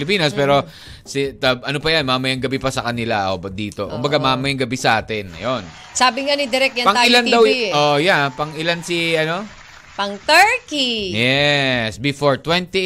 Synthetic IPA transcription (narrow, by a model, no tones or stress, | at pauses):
lɪp̬iːnɐspɛːɾo̞ | sɪt̪ɐʔɐnopɐjanmaːmɐjɐŋɡɐbɪpɐsɐkɐnɪlaʔo̰bɐd̪iːt̪okʊ̰mbɐɡamaːmɐjɐŋɡɐbisɐʔaːt̪ɪnːɐ̰jon | saːbɪŋanɪd̪ɪɾɛk̚jɐpɐŋɪland̪ɐwojapɐŋʔɪlansiɐno̞ | pɐŋt̪ɛɹkijɛsbɪfoɹt̪wɛnt̪i